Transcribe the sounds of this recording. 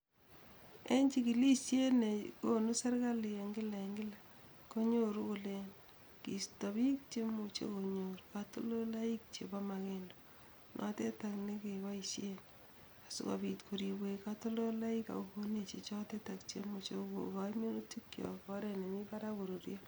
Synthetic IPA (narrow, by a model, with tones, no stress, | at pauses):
e˦ɲt͡ʃi˦ki˨li˦ʃje˦ne˨ko˦nu˦sa˦ɾka˦li˨e˨ŋɡɪ˦la˨ŋɡɪ˦la˨ | ko˦ɲo˦ɾu˦kʊ˨le˦n | kḭ˨sto˨bi˦k̚t͡ʃe˦mu˨t͡ʃḛ˦ko˨ɲoɾkato˦lo˦la˦i˦k̚t͡ʃḛ˨ba˦make˦ndo̥˨ | nʔɔ̰˦te˦ta˨kne˦ke˨wa˦i˨ʃjen | a˨sʊ̰˦ka̰˨bitkʰo˨ɾi˨bwe˨ka˦to˦lo˦la˦i˦ka̰˨u˨ko˦ne˨t͡ʃe˨t͡ʃɔ˦te˦ta˨kt͡ʃḛ˦mu˨t͡ʃe˦uko̰˨ka˨ime˦nu˦tu˦kːjɔ̰˨kɔ˦ɾe˨ne˨mi˦pa˦ɾa˦ko˨ɾo˨ɾjo˦